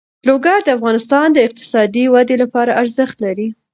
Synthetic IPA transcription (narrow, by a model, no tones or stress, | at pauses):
loɡaɾd̪əafɣɑnɪst̪ɑnd̪əɪq̚t̪ɪ̥sɑd̪iwad̪elapɑɾaʔaɾzəxt̪laɾi